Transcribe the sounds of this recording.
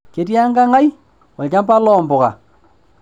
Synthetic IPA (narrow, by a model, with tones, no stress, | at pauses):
ke˨ti˦a˦ŋɡa˦ŋa˦i˦ | ɔ˨lt͡ʃa˦mpa˦lɔː˨mbɔ˨ka̰˨